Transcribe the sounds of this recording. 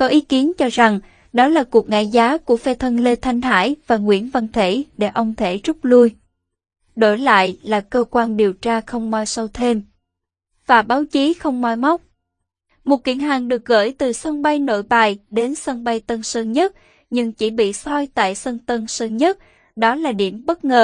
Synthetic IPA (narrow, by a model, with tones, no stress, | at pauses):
kɔ˨˦ʔi˨˦ki˨˦ənt͡ɕɔ˧za˨˩ŋ | ɗɔ˨˦laː˨˩ku˨˩ək̚ŋa̰˧˨jzaː˨˦ku˧˩əfɛ˧t̪ʰə˧nle˧t̪ʰa˧jŋ̟ɦa̰ː˧˥˨jvaː˨˩ŋwḭ˧˥ənvə˧nt̪ʰe˧˩ɗe˧˩ʔə˧wŋ͡mt̪ʰe˧˩zʊ˦˥k͡p̚lu˧j | ɗo̰˧˩jla̰ː˧˨jlaː˨˩kəː˧kwaː˧nɗi˨˩əwt͡ɕaː˧xə˧wŋ͡mma˧jsə˧wt̪ʰe˧m | v̥aː˨˩ɓaː˨˦wt͡ɕi˨˦xə˧wŋ͡mmaː˧jma˦˥wk͡p̚ | mo˨˩t̚kḭ˧˩ənɦaː˨˩ŋɗɨ˨˩ək̚ɣə̰ː˧˥˩jt̪ɨ˨˩sə˧ŋɓa˧jno̰˧˨jɓaː˨˩jɗe˨˦nsə˧ŋɓa˧jt̪ə˧nsəː˧ɲə˦˥t̚ | ɲɨ˧ŋt͡ɕi˧˩ɓḭ˧˨sɔ˧jt̪a̰ː˧˨jsə˧ŋnt̪ə˧nsəː˧ɲə˦˥t̚ | ɗɔ˨˦laː˨˩ɗḭ˧˩əmɓə˦˥t̚ŋəː˨˩